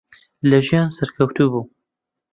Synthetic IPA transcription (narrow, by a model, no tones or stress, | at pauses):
lɐʒijɑ̃ːnsɛɾkʰɐwt̪uːbuː